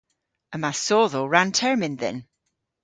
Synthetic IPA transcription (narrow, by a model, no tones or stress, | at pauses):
əmasɔːðoɹãntʰɛɹmɪ̃nðɛ̰̃n